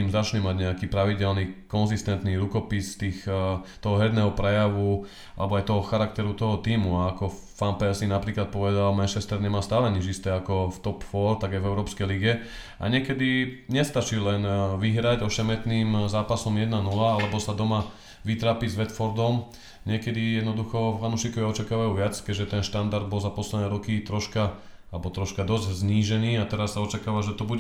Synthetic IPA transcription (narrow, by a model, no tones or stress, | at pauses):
imzat͡ʃɲɛmaɟɲɛakiːpɾaʋiɟɛlnikɔnzist̪ɛnt̪niɾukɔpist̪iːxt̪ɔɦɔɦɛd̪nɛːɦɔpɾɛjaʋu | a̰lɛbɔajt̪ɔɦɔxaɾak̚t̪ɛɾut̪ɔɦɔt̪iːmuaːkɔ | fanpɛsinapɾiːklat̪̚pɔʋɛd̪almɛnʃɛst̪ɛɾɲɛmaːst̪aːlɛɲid͡ʒist̪ɛakɔft̪ɔpfɔɾt̪aɡajvɛʊɾɔːpskɛjliɡɛ | a̰ɲɪɛkɛd̪iɲɛst̪at͡ʃilɛnʋiɦɾaɟɔʃɛmɛt̪niːmzaːpasɔmjɛd̪nanulaalɛbɔsad̪ɔma | ʋit̪ɾaːpizʋɛt̪fɔɾd̪ɔm | ɲɪɛkɛd̪ijɛd̪nɔd̪uxɔfanuʃikɔʋiɔt͡ʃakaːʋajuːʋɪat͡skɛʒɛt̪ɛnʃt̪and̪aɾd̪̚bɔlzapɔslɛd̪nɛːɾɔkit̪ɾɔʃka | alɛbɔt̪ɾɔʃkad̪ɔzɟzɲiːʒɛniːat̪ɛɾasːaɔt͡ʃakaːʋaʒɛt̪ɔbu